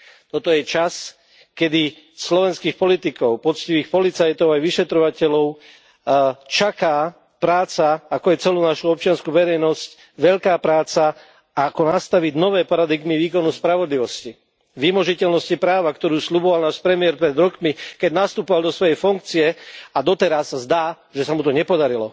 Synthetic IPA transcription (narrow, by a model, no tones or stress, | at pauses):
t̪ɔt̪ɔjɛt͡ʃas | kɛd̪i | slɔʋɛnskiːxpɔlit̪ikɔʊpɔt͡sciʋiːxpɔlit͡sajt̪ɔʊajʋiʃɛt̪ɾɔʋacɛlɔʊ | t͡ʃakaː | pɾaːt͡saakɔjɛt͡sɛluːnaʃuɔp̚t͡ʃɪanskuːʋɛɾɛjnɔsc | ʋɛʎkaːpɾaːt͡sa | akɔnast̪aʋiɟnɔʋɛːpaɾad̪iɡmiʋiːkɔnuspɾaʋɔd̪liʋɔsci | ʋimɔʒicɛlnɔscipɾaːʋakt̪ɔɾuːsʎubɔʋalnaːʃpɾɛmiɪɛɾpɾɛd̪ɾɔkmikɛɟnast̪upɔʋald̪ɔsʋɔjɛjfuŋk̚t͡siɛad̪ɔt̪ɛɾasːazd̪aː | ʒɛsamut̪ɔɲɛpɔd̪aɾilɔ